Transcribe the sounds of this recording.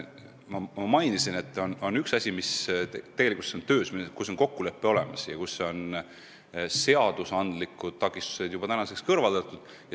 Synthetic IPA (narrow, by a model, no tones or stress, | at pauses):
mɑmɑmɑjnisine̞t̪ːˑono̞nyksɑsʲimist̪eɡ̥elikult̪seont̪ø̞ːsmikusːo̞nko̞kːule̞pːe̞o̞le̞mɑsjɑkusːeo̞n | se̞ɑd̪̥usɑnd̪̥likːˑud̪̥̚t̪ɑkˑist̪u̥se̞d̪̥jub̥ɑt̪ænɑse̞kskɤrvɑld̪̥ɑt̪ːˑud̪̥ | jɑ